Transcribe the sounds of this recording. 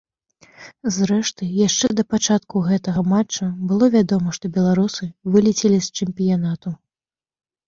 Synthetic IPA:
zɾɛʂt̪ɨjaʂt͡ʂɛd̪ɐpat͡ʂat̪kuɣɛt̪ɐɣɐmat͡ʂːɐbɨlˠɔvʲad̪ɔmɐʂt̪ɔbʲɛlˠaɾusɨvɨlʲit͡sʲɛlʲist͡ʂɛmpʲijanat̪u

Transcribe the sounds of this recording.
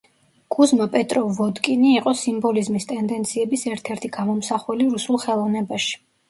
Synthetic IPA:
ɡ̥uzmapʼɛt̪ʼɾɔvɔd̪kʼiniːqʼɔsimbɔlizmist̪ʼɛnd̪ɛnt̪sʰiɛbisɛɾt̪ʰɛɾt̪ʰiɡamɔmsaχwɛliɾusulˠχɛlˠɔvnɛbaʃi̥

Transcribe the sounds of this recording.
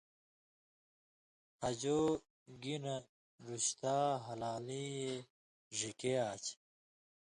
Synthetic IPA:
hɐd͡ʑoː | ɡinɐ | ɾuɕt̪aːɦɐlaːlije | ʐikeaːt͡ɕ

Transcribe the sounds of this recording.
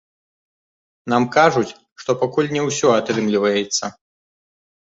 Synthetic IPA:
namkaʐut͡sʲ | ʂt̪ɔpakulʲnʲɛwsʲɔat̪ɾɨmlʲivɐjɛt̪sːɐ

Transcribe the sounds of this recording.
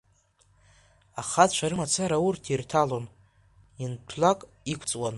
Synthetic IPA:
aχatt͡ʃʷʰaɾɨmat͡sʰaɾaurtʰirtʰalo̞n | intʰlakʼ | ikʷʰt͡sʼwan

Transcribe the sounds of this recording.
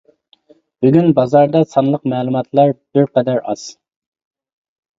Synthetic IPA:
b̥yɡʲynbɑzɑɾd̪ɑsɑnlˠəqmɛːlˠumɑt̪ʰlˠɑɾd̪̥øɾqʰɛd̪æɾɑz̥

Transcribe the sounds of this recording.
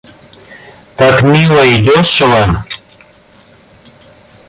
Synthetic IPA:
t̪akmiwajd̪oswam

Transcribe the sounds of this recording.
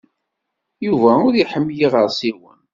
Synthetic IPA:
juvæʊɾiħəmːjiʁəɾˤsiwə̰n

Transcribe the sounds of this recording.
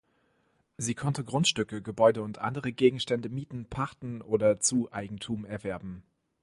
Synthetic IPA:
ziːkʰɔntəɡʁʊntʃtʏkəɡəbɔʏdəʊntʔa̰ndəʁəɡeːɡŋ̩ʃtɛndəmiːtn̩pʰaʁtn̩ʔoːdɐt͡suːʔaɪɡŋ̩tʰuːmɛɐvɛɐbm̩

